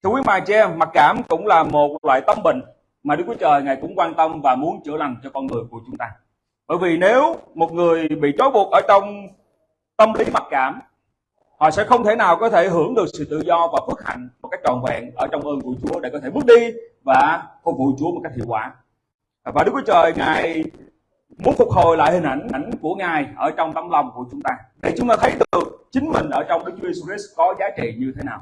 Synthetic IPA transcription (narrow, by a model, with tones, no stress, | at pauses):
t̪ʰɨ˧wi˨˦maː˨t͡ɕɛ˧mːa˨˩t̚kaː˧˩mkʊ̰˧˥ŋ͡mlaː˨˩mo˨˩t̚lwa̰ː˧˨jt̪ə˧mɓḭ̈˧˨ŋ̟ | maː˨˩ɨ˨˦˥kwt͡ɕəː˨˩jŋaː˨˩jkʊ̰˧˥ŋ͡mkwaː˧nt̪ə˧mvaː˨˩mu˨˦ənt͡ɕɨ˧˩əla˨˩jŋ̟t͡ɕɔ˧kɔ˧nŋɨ˨˩əjku˧˩ət͡ɕʊ˨˦ŋ͡mt̪aː˧ | ɓə̰ː˧˩jvi˨˩ne˨˦wmo˨˩t̚ŋɨ˨˩əjɓḭ˧˨t͡ɕo˨˦jɓu˨˩ət̚ʔəː˧˩t͡ɕɔ˧wŋ͡m | t̪ə˧mli˨˦ma˨˩t̚kaː˧˩m | hɔ̰˧˨sɛ̰˧˥xə˧wŋ͡mt̪ʰe˧˩naː˨˩wkɔ˨˦t̪ʰe˧˩ɦɨ˧˩əŋɗɨ˨˩ək̚sɨ̰˧˨t̪ɨ̰˧˨zɔ˧vaː˨˩fɨ˦˥ək̚ha̰˧˨jŋ̟mo˨˩t̚ka˦˥jk̚t͡ɕɔ˨˩nvɛ̰˧˨nʔəː˧˩t͡ɕɔ˧wŋ͡mʔəː˧nku˧˩t͡ɕu˨˦əɗe˧˩kɔ˦e˧˩ɓɨ˦˥k̚ɗi˧vaː˨˩fʊ˨˩k̚vṵ˧˨t͡ɕu˨˦əo˨˩t̚ka˦˥j̚k̚hḭ˧˨wkwaː˨˦ | vaː˨˩ɗɨ˦˥k̚wi˦˥t͡ɕəː˨˩jŋa̰ː˨˩j | mu˨˦ənfʊ˨˩k͡p̚ho˨jla̰ː˧˨jhï˨˩ŋ̟ʔa˧˩jŋ̟a˧˩jŋ̟ku˧˩əŋaː˨˩jʔəː˧˩t͡ɕɔ˧wŋ͡mt̪ə˨˦mlɔ˧wŋ͡mku˧˩ət͡ɕʊ˨˦ŋ͡mt̪aː˧ɗḛ˧˩jt͡ɕʊ˨˦ŋ͡mt̪aː˧t̪ʰə˨˦jɗɨ˨˩ək̚t͡ɕï˨˦ŋ̟mï˨˩ŋ̟ʔəː˧˩t͡ɕɔ˧wŋ͡mɗɨ˦˥k̚t͡ɕu˦˥je˧su˧i˦˥skɔ˨˦zaː˨˦t͡ɕḭ˧˨ɲɨ˧t̪ʰe˨˦naː˨˩w